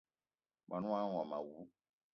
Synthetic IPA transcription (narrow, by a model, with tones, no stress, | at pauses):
ma˨nũ˦ã˦ɔ̃˨mã̰˨wu˨˦